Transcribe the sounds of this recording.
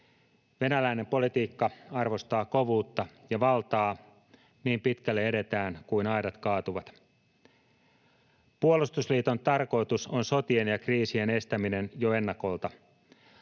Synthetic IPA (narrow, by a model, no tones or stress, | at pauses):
ʋe̞nælæine̞mpo̞lit̪iːkːɑɑrʋo̞st̪ɑːkoʋuːt̪ːɑjɑʋɑlt̪ɑː | niːmpit̪kælːeeɾe̞t̪æːnkuinɑjdɑt̪kɑːt̪uʋɑt̪ | puolust̪usliːt̪o̞nt̪ɑrko̞jt̪uso̞nso̞t̪ienjɑkriːsie̞ne̞st̪æmine̞njoe̞nːɑko̞lt̪ɑ